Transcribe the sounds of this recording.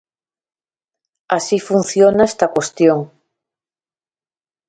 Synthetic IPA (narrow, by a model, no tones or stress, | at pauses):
asifun̟θjonaest̪akwest̪joŋ